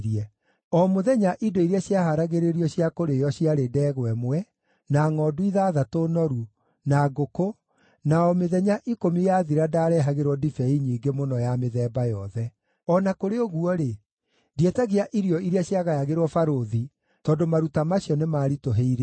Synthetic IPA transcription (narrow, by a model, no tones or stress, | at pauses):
ɾiɛ | ɔmoðɛɲaʔidoiɾeaɕjaɦaɾaɣeɾeɾiɔɕjakoɾejɔɕiaɾedɛːɣwɛmwɛ | naŋɔːduiðaːðatonɔɾu | naɡoko | naɔmeðɛɲaʔikomijaðiɾadaːɾɛɦaɣeɾwɔdifɛiɲiːɡemonɔjameðɛbajɔðɛ | ɔnakoɾeoɣuɔɾe | dietaɣiaʔiɾijɔiɾeaɕjaɣajaɣeɾwɔfaɾoði | tɔːndomaɾutamaɕjɔnemaːɾitoɦeiɾe